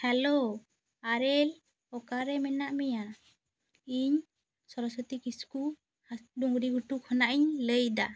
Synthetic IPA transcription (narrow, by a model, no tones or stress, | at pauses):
hɛlo | aɾɛl | ɔkaɾɛmɛnaʔmɛja | iɲ | sɔɾɔsɔt̪ikisku | duŋɾiɡuʈukʰhɔnaʔiɲləjd̪a